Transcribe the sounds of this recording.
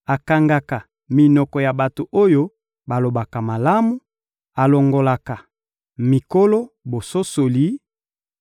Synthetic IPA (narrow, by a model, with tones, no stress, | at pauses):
a˨ka˨ŋɡa˨ka˨ | mi˨nɔ˨kɔ˨ja˨ba˨to˨ʔo˦jo˦ | ba˨lo˨ba˨ka˨ma˨la˦mu˦ | a˨lo˨ŋɡo˨la˨ka˨ | mi˨ko˦lo˦bo˨so˦so˨li˨˦